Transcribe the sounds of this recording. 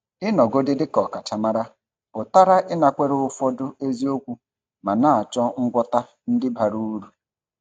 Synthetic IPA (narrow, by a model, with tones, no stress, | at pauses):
ɪ˦nɔ˨ɡo˦dɪ˦dɪ˦kɔ˨ka˨t͡ʃa˨ma˦ɾa˦ | bʊ˨ta˦ɾa˦ʔɪ˦na˨kʷe˦ɾʊ˦ʊ˦fɔ˦dʊ˦e˦zi˦o˦kʷu˦ | ma˨na˦a˨t͡ʃɔ˦ŋ̩˦ɡʷɔ˦ta˦ | n̩˦dɪ˦ba˨ɾu˦ɾu˨